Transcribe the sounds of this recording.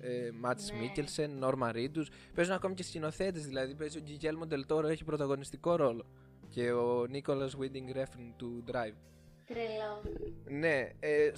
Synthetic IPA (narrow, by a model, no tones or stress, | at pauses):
emɐt̪i̥smicelse̞nːo̞ɾmɐɾit̪us | pe̞zunɐko̞micescino̞θe̞t̪ezðilɐðipezioɟiʝe̞lmod̪e̞lt̪o̞ɾoe̞çipɾo̞t̪ɐɣo̞nist̪iko̞ɾo̞lo̞ | ce̞oniko̞lɐzwind̪iŋɡɾefint̪ud̪ɾɐjv | kɾelone̞e